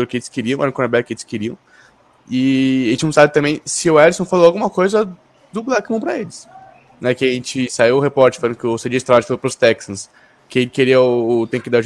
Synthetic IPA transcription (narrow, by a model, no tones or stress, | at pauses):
oɾʊkɪelɪskɪɾiɐ̃ɛɾ̃ɐ̃kõnɛbɛɾkɪelɪskeɾiɐ̃ | ɪẽt͡ʃɪnɐ̃w̃sabɪt̪ɐ̃bẽj̃sɪʊɛɾisõw̃faloawɡũmɐkojzɐ | d̪ʊblɛkmɐ̃w̃pɾɐelɪs | nɛkɪ̃ɐɐʒẽt͡ʃɪsaiwʊhepɔɾt͡ʃɪɾfalẽñd̪ʊ̃kɪʊsed͡ʒiɐst̪ɾavad͡ʒfalopɾʊst̪ɛksɐ̃s | kɪẽkeɾiɐʊt̪ẽj̃kɪd̪aɾʊʒ